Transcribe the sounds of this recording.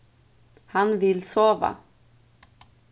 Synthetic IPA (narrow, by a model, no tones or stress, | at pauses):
hanvɪlsoːʋa̰